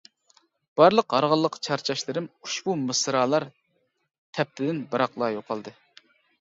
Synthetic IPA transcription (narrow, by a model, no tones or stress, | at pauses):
b̥ɑɾlˠəqɦɑɾʁɑlˠːəqt͡ʃʰɑɾt͡ʃʰɑʃlˠɨɾɨmuʃbumɨsɾɑːlˠɑɾ | t̪ʰɛp̚t̪ʰɪd̪ɪnbɑɾɑqlˠɑjoqʰɑlˠd̪ɨ